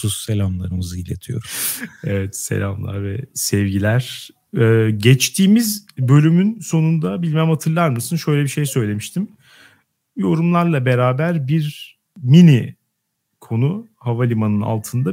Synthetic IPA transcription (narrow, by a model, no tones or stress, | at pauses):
susselʲamlˠa̰ɾɯmɯzɯjlʲḛt̪ʰijo̞̰ɾuɛvɛt̪se̞̰lʲa̰mlˠa̰ɾvɛsɛvɟilʲæɾ̥ | ɛːɟɛt͡ʃt̪ʰiːmizbø̞lʲymynso̞nund̪abilʲmæmhat̪ʰɯɾlˠaɾmɯsɯnʃø̞jlʲebiʃe̞jsø̞jlʲe̞miʃt̪ʰim | jo̞ɾumlˠaɾlˠabe̞ɾaːbæɾbiɾ | mini | kʰo̞nuhavalʲimanɯna̰lˠt̪ʰɯnd̪a